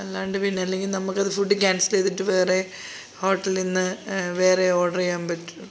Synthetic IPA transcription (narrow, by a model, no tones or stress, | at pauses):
ɐlːaːuɳɖɨpinːeɐlːe̞ŋɡilnɐmːukːɐðɨfuɖːikʲaːnsileːt̪ːiʈːɨʋe̞ːre̞ | ho̞ːʈːɐlinːɨʋe̞ːre̞oːɽɐrijaːmpɐtːu